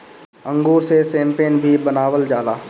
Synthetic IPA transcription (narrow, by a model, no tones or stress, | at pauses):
ə̃ŋɡuːɾsesẽːmpeːnbʱibənaːwəld͡ʒaːlaː